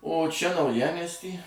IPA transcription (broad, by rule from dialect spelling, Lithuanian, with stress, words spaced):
oː ˈt͡ʃʲɛ nɐʊˈjæːmʲiɛsʲtʲiː